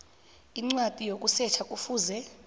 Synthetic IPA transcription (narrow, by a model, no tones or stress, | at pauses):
iŋ͡ǀwatʼijokʼusɛt͡ʃʰakʼufuːzɛ